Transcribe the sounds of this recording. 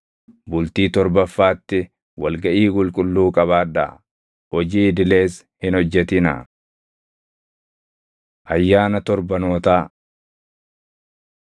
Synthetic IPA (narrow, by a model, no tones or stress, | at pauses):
bʊlt̪iːt̪ɔɾbɐfːaːt̪ːɪ | wɐlɡɐʔiːɡʼʊlkʼʊlːuːkʼɐβaːd̪ɐ̰ | hɔd͡ʒiːd̪ɪle̞ːs | hɪnɔd͡ʒːɛt̪ɪnɐ̰ | ʔɐjːaːnɐt̪ɔɾbɐnoːt̪aː